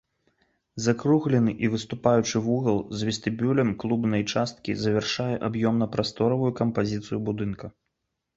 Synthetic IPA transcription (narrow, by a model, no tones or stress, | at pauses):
zakɾuɣlʲɛnɨʔivɨst̪upajut͡ʂɨvuɣɐlˠzʲvʲist̪ɨbʲulʲɐmklˠubnɐjt͡ʂast̪kʲḭzɐvʲɛrʂajɛʔabjɔmnɐpɾast̪ɔɾɐvujukɐmpazʲit̪sɨjubud̪ɨnkɐ